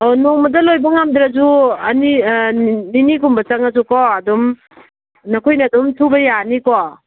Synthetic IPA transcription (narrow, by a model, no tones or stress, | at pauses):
onoŋmɐdɐlojbɐŋamd̪ɾazuɐni | ninikumbɐt͡ʃaŋazukɔːdum | nɐkʰojnadumtʰubɐjanikɔ